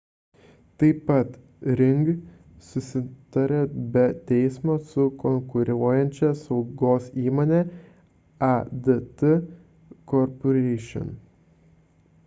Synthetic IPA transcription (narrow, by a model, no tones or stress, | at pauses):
t̪ɐɪpɐt̪ | ɾʲɪŋɡ | sʊsʲɪt̪ɐɾʲebʲɛt̪ʲɛɪsmoːsʊkɔŋkʊɾʲuːjɛnʲt͡ʃʲɛsɒʊɡoːsiːmoːnʲɛ | ɐd̪ət̪ɨ | kɔɾpɔɾʲɛɪʃʲɔ̰n